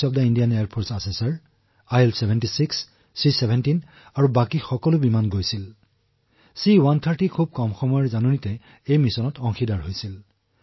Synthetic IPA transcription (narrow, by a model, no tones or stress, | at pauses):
ɔb̚daindijanejaɹpʰoɹsasɛsaɹ | ajelsebʱɛntisiksː | isebʱɛntin | aɹubakixɔkɔlʊbimanɡojsil | siwant̪ʰaɹtikʰub̚kɔmxɔmɔjɔzanunitɛ | ejmisɔnɔtɔŋxʰidaɹɦojsil